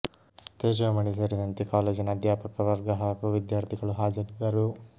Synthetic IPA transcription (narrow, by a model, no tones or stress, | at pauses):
t̪eːd͡ʒɐʋɐmɐɳisɐɾid̪ɐnt̪ikaːleːd͡ʒinɐɐd̪jaːpɐkɐʋɐɾɡɐɦaːɡuʋid̪jaːɾt̪ʰiɡɐɭuɦaːd͡ʒɐɾid̪ɐɾu